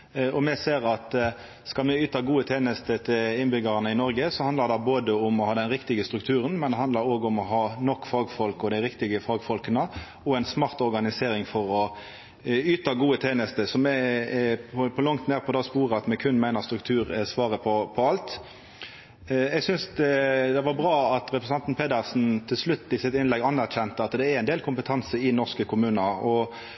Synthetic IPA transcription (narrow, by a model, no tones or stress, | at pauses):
ɔmɛseːʁɑt̪ | skɑmɛyːt̪ɑɡuːət̪ʰeːnəst̪ət̪ʰɪlɪnbʏɡəʁɑnəɪnɔɾɡəsɔɑnd̪ləʁd̪ɑboːd̪əʊmɔhɑːd̪ɛnʁɪkt̪ɪɡəst̪ɾʉkt̪ʰʉːɾənmɛnd̪ɛɦɑnd̪ləɾoːɡʊmɔɦɑːnɔkːfɑːɡfɔlkɔd̪æɪɾɪkt̪ɪɡəfɑːɡfɔlkənə | ɔɛɪnsmɑʁt̪ɔʁɡɑnɪseːɾɪŋfɔɾɔ | yːt̪ɑɡuːət̪ʰeːnəst̪əsɔmɛ | ɔpʰɔlɑŋt̪neːʁpʰɔd̪ɑːspuːɾəɑt̪mɛkʰʉnmæɪnəʁst̪ɾʉkt̪ʰʉːʁəsʋɑːʁəpʰɔpʰɔɑlt̪ | ɛɡsʏnsd̪ɛd̪ɛʋɑʁbʁɑːɑt̪ʁɛpɾəsɑnt̪n̩pʰeːd̪æʁsn̩t̪ʰɪlslʉt̪ːɪsɪt̪ɪnlɛɡɑnːæʁçɛnt̪əɑt̪d̪ɛæɾæɪnd̪eːlkʰʊmpət̪ʰɑnsəɪnɔʁskəkʰʊmʉːnəɔ